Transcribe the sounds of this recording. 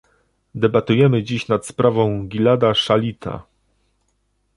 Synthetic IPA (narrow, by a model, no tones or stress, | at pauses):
d̪ɛbat̪ujɛmɘd͡ʑiɕnat̪spɾavɔ̃w̃ɡʲilad̪aʂalʲit̪ʰa̰